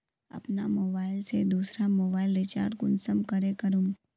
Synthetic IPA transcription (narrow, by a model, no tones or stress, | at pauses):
ɐ̰pnamoːbaːɪlsed̪uːsɾamoːbaːɪlɾɪt͡ʃa̰ːɾʈkʊnsəmkɐɾekɐɾũm